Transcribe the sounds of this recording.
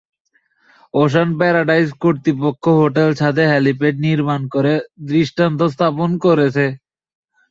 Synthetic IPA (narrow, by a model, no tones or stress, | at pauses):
oʃ̬anpɛɾaɖajd͡ʑkoɾt̪ipokʰːoɦoʈelt͡ɕʰat̪eɦɛlipeʈniɾmankoɾed̪ɾiʃʈant̪os̬t̪ʰaponkoɾet͡ɕʰe